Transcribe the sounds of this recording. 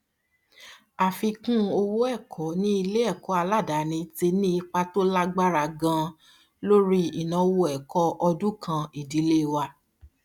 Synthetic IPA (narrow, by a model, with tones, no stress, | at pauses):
a˨fi˧kũ˦o˧wo˦ɛ˦˨kʰɔ˨˦nĩ˦i˧le˦ɛ˦˨kɔ˨˦a˧la˦˨da˨nĩ˧te˧nĩ˦i˧k͡pa˧to˦la˦ɡ͡ba˦ɾa˨ɡã˧ | lo˦ɾi˦i˨nã˨˧wo˧˦ɛ˨kɔ˧ʔɔ˧dũ˦kʰã˧i˨di˨˦le˦˨wa˧